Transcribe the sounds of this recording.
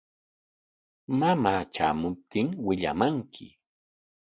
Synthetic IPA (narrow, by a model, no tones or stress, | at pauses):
mamaːt͡ʃa̰ːmʊp̚t̪ɪŋwɪʎa̰maŋkʰɪ